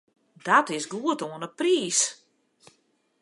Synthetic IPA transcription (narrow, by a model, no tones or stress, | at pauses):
datɪsɡuətoənəpriːs